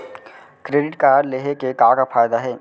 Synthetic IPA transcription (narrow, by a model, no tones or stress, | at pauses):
kɾeːɖɪʈkaːɾleːɦekekaːkafaːjd̪aɦɛː